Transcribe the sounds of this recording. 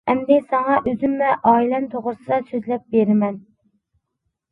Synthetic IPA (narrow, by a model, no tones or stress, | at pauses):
ɛmd̪ɪsɑŋɑʔøzymlɛʔɑːilɛnt̪ʰoʁɾɨsɨd̪ɑsøzlɛp̚beɾɪmɛn